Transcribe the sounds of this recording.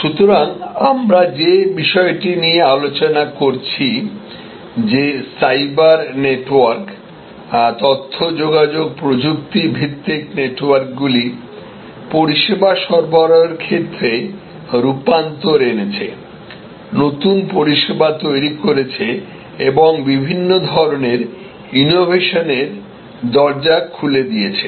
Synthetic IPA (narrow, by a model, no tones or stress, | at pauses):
ʃut̪oɾaŋamɾad͡ʑebiʃɔeʈiniealot͡ɕonakoɾt͡ɕʰi | d͡ʑesajbaɾneʈwaɾk | t̪ɔt̪ʰːod͡ʑoɡad͡ʑoɡ̚pɾod͡ʑuk̚t̪ibʱit̪ːikneʈwaɾkɡuli | poɾiʃebaʃɔɾbaɾɔeɾkʰet̪ːɾe | ɾupant̪oɾenet͡ɕʰe | not̪unpoɾiʃebat̪ojɾikoɾet͡ɕʰe | eboŋbibʱinːod̪ʱɔɾoneɾ | inobʱeʃoneɾ | d̪ɔɾd͡ʑakʰuled̪ijet͡ɕʰe